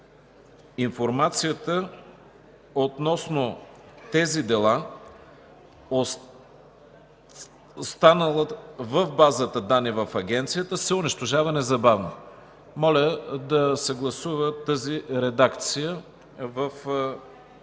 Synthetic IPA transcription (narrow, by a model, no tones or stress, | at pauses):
infoɾmat̪sijət̪ə | ot̪nɔsnot̪ɛzid̪ɛlˠa | o | st̪anəlˠəvəvbazət̪əd̪anːivəfɐɡʲɛnt̪sijət̪əsɛʊniʃt̪oʒavɐnɛzɐbavno | mɔlʲəd̪ɐsɛɡlˠɐsuvət̪əziɾɛd̪akt̪sijə | vəf